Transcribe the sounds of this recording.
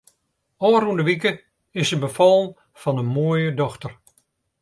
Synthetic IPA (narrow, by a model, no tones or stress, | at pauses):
ɔːrundəʋikə | ɪsənbəfɑlˠən | fɑnənmoːjədɔxtər